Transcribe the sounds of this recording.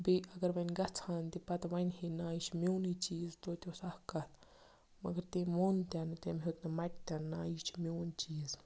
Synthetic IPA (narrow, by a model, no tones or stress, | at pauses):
biɐɡɐɾʋɐnʲɡɐt͡sʰaːnt̪ipɐt̪ʋɐnʲhinaːjit͡ʃʰmewnit͡ʃiːzt̪oːt̪ʲosɐhkɐl | mɐ̰ɡɐɾt̪emoːnt̪ʲant̪emɦet̪nɐmɐʈ̚ʲt̪ʲanːaːjit͡ʃʰmʲewnt͡ʃiːz